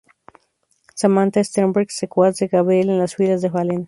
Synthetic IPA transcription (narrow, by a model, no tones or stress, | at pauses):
samãnt̪aest̪ambuɾksekwat̪zd̪ekaβɾelenlaswilazðeβalen